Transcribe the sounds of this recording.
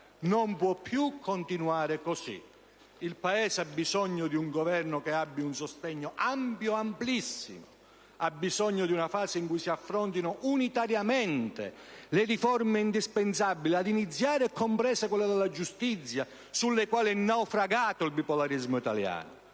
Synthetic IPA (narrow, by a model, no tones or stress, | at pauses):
nompwɔpːjukʰːont̪inuaːɾɪkosḭ | ilpaɛːseabːisɔɲːʊd̪iuŋɡɔvɛrnʊkeabːiunsost̪ɛɲːʊʔampjʊamplisːḭmʊ̰ | abːizɔɲːʊd̪iunafaːsɪiŋkujsiafːɾɔnt̪inʊʔunit̪aɾjamɛnt̪ḛlɪrifɔrmeind̪ispɛnsabːiliad̪init̪sːjaːɾɪɛkʰːompɾɛːsɪkwɛlːad̪ɛlːad͡ʒust̪it̪sːja | sulːekwaːliɛnːawfɾaɡaːt̪ʊilpipɔlaɾizmʊit̪a̰lja̰ːnʊ̰